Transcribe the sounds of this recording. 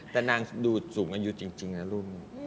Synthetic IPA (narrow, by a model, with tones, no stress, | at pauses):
t̪ɛː˨˩naː˧ŋduː˧˩suː˩˦ŋʔaː˧ju˦˥t͡ɕi˧ŋt͡ɕi˧ŋna˦˥ɾu˦˥˩m̚na˧˥˩